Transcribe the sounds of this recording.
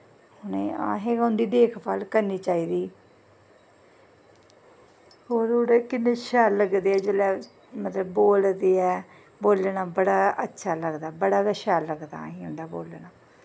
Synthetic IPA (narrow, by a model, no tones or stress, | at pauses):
hʊneːa̰ːɦeːãʊnd̪iːd̪eːkʰbaːlkəɾniːt͡ʃaːiːd̪iː | hoːɾoːɽekɪnːeʃaːlːəɡd̪eːɛːd͡ʒeːlɛː | mət̪ləbːoːld̪eːɛː | boːlnaːbəɽaːətːʃʰaːləɡd̪aːbəɽaːɡəʃaːləɡd̪a̰ːɦiːʊ̃nd̪aːboːlnaː